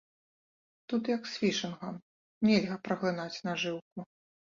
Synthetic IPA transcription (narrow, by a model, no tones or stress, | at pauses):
t̪ut̪jɐksʲfʲiʂɨnɣɐm | nʲelʲɣɐpɾɐɣlˠɨnat͡sʲnɐʐɨwku